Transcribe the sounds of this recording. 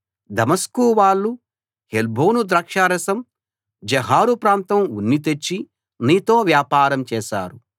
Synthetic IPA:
d̪ɐmɐskuːʋaːɭːu | helbʱoːnud̪ɾɐkʂaːɾɐsɐm | d͡ʒɛɦaːɾupɾaːnt̪ɐmunːit̪̬et͡ʃːi | niːt̪o̞ːʋjaːpaːɾɐmt͡ʃɛːʃa̰ːɾu

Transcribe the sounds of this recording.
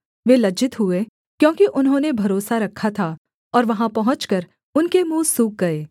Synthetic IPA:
ʋelɐd͡ʒɪt̪ɦʊe | kjõːkiʔʊnɦõnebʱɐɾoːsaɾɐkʰːat̪ʰa | ɔːɾʋɐɦãpɐɦʊ̃t͡ʃkɐɾ | ʊnkemũːsuːk̚ɡɐeː

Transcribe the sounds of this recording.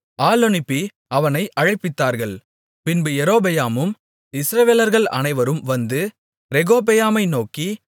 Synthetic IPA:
aːlɔnɪpːi | ɐʋɐnɐɪʔɐɻɐɪpːɪt̪ːaːɾɣɐɭ | pɪnbɯjɛɾoːbɐjaːmɯm | ɪsɾɐʋeːlɐɾɣɐɭɐ̰nɐɪʋɐɾɯmʋɐnd̪ɯ | ɾɛɣoːbɛjaːmɐɪnoːki

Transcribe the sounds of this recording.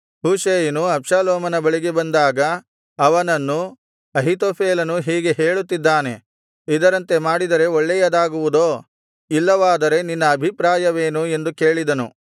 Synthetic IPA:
huːʃeːjɐnuɐpʂaːloːmɐnɐbɐɭiɡebɐnd̪aːɡɐ | ɐʋɐnɐnːu | ɐɦit̪̬oːpʰeːlɐnuɦiːɡe̞ɦe̞ːɭut̪ːid̪ːaːne̞̰ | id̪ɐɾɐnt̪e̞maːɽid̪ɐɾe̞ɔɭːɛjɐd̪aːɡuʋud̪oː | ilːɐʋaːd̪ɐɾe̞ninːɐːbʱipɾaːjɐʋe̞ːnue̞nd̪uke̞ːɭid̪ɐnṵ

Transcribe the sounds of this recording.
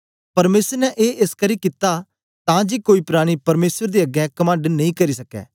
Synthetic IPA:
pɐɾmeːsəɾnɛʔeːʔɪskɐɾikɪt̪a | t̪ãːd͡ʒiːkoːiːpɾaːɽ̃ipɐɾmeːsəɾd̪iːɐɡɛːkɐmə̃ːɳɖnɐĩkɐɾiːsɐkɛ̰ː

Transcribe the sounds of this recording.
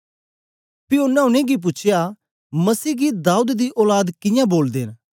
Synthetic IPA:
pɪʊnːɛʊnẽɡip̬ʊːt͡ʃʰja | mɐsiːɡid̪aːud̪d̪iʔɔːlaːd̪kɪjãːboːld̪eːn

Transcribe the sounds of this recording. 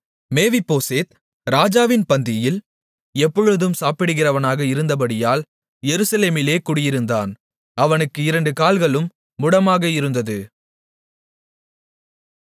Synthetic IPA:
meːʋɪpːoːseːt̪ | ɾaːd͡ʒaːʋɪnpɐnd̪ɪjɪl | ɛpːɔɻɯðɯmsaːpɪɽɯɣɪrɐʋɐnaːɣɐɪɾɯnd̪ɐp̬ɐɽɪjaːl | jɛɾɯsɐleːmɪleːkʊɽɪjɪɾɯnd̪aːn | ɐʋɐnɯkːɯɪɾɐɳɖɯkaːlɣɐɭɯmː | ʊɽɐmaːɣɐɪɾɯnd̪ɐðɯ

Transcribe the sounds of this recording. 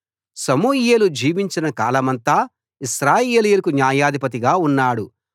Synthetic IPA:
sɐmuːjeːlud͡ʒiːʋiɲt͡ʃinɐkaːlɐmɐnt̪aː | iʃɾaːjeːlijulɐkunjaːjaːd̪ʱipɐt̪̬iɡaːunːaːɽu

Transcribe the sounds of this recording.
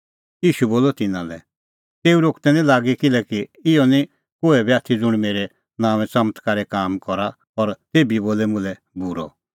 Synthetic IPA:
iːʃuboːlɔt̪ɪnãlɛ | t̪eːuɾoːkt̪ɛnĩlaːɡikɪlɛkiɪjɔnĩ | koːɛbiaːt̪ʰid͡zʊɽ̃meːɾɛ | naːʋ̃ɛ̃t͡sɐmət̪ʰkaɾɛkaːmkɔɾa | ɔɾt̪eːbiboːlɛmʊ̃lɛ | buɾɔ̰

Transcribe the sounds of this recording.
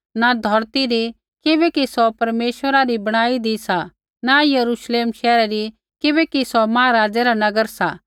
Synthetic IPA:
nad̪ʱɔɾt̪iɾi | kɪbɛkisɔpɐɾmeːʃʋəɾaɾibɐɽ̃aːid̪isa | najɐɾuːʃleːmʃɛːɾaɾi | kɪbɛkisɔmãːãɾaːd͡ʒɛɾanɐɡəɾsa

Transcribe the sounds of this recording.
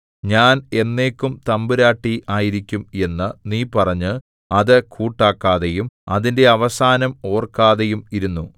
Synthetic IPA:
ɲaːne̞nːe̞ːkːumt̪ɐmbɨɾaːʈːiʔaːjiɾikʲːume̞nːɨniːpɐrɐɲːɨ | ɐðɨkʰuːʈːaːkːaːðejumɐðinde̞ɐʋɐsaːnɐmo̞ːrkːaːðejumiɾunːu

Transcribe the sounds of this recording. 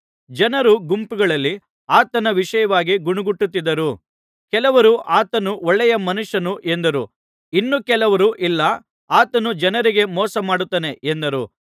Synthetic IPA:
d͡ʒɐnɐɾuɡumpuɡɐɭɐlːi | aːt̪ɐnɐʋiʂɐjɐʋaːɡiɡuɳuɡuʈːut̪ːid̪ɐɾu | kɛlɐʋɐɾuʔaːt̪ɐnuɔɭːɛjɐmɐnuʂːɐnuʔe̞nd̪ɐɾu | inːukɛlɐʋɐɾuʔilːɐ | aːt̪ɐnud͡ʒɐnɐɾiɡe̞mɔːsɐmaːɽut̪ːaːne̞ʔend̪ɐɾṵ

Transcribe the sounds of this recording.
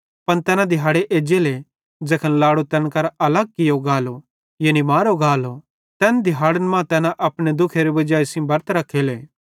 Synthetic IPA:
pɐnt̪ɛːnãd̪ʱɪɦaːɽeʔeːd͡ʒeːle | d͡ʒeːkʰənlaːɽot̪ɛːnkɐɾɐləɡ̚kɪjoɡaːlo | jeːnimaːɾoɡaːlo | t̪ɛːnd̪ɪɦaːɽənmãt̪ɛːnãʔɐpɽ̃ed̪ʊkʰeɾebɐd͡ʒaːisĩbɐɾt̪ɾɐkʰːeːleː

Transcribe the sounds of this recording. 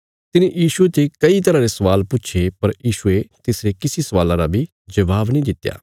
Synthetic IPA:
t̪ɪnẽjiːʃuet̪ekɐit̪ɐɾãːɾesɐʋaːlpʊːʃʰepɐɾjiːʃuet̪eːsɾekɪsisɐʋaːlãɾabʱi | d͡ʒɐʋaːbnĩd̪ɪt̪ːja̰ː

